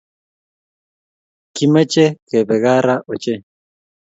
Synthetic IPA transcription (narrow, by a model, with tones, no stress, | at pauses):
ki˦mɛ˦t͡ʃe˦kɛ˨bɛ˨ɣa˦ɾa˦ʔo˨t͡ʃɛ˦